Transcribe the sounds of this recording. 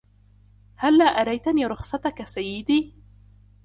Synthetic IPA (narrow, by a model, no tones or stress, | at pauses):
halːaːʔaɾˤajt̪aniːɾˤʊxsˤɑt̪akasajːɪd̪iː